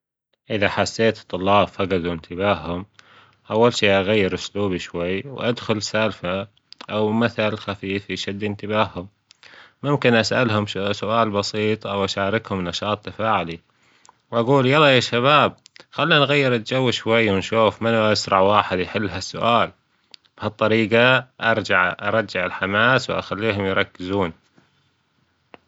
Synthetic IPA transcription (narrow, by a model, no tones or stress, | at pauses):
ʔɪðaħasːeːt̪t̪ˤːʊlːɑːbfaɡad̪uwɪnt̪ʰɪbaːhhʊm | ʔawːalʃiːʔaɣajːɪɾʔʊsluːbiʃwajːwʔad̪xʊlsalfa | ʔawmaθalxafiːfiʃad̪ːʔɪnt̪ɪbaːhʊmː | ʊmkɪnʔasʔa̰lɦʊmsʊʔaːlbɑsiːt̪ˤʔawʔaʃaːɾɪkhʊmnːɑʃɑːt̪ˤːafaːʕli | wʔaɡuːljalːɑːjaːʃaβaːb̚xalːianɣajːɪɾat̪̚d͡ʒawːɪʃwajːwɪnʃuːfmanʔasɾˤɑʕwaːħɪd̪jħɪlːɦasːʊʔaːl | b̥hɑt̪ˤːɑɾiːɡaʔɑɾˤd͡ʒaʕʔɑ̰ɾˤɑaʕɪlħamaːswʔa̰xalːiːɦʊmjɾˤɑkːɪzuːn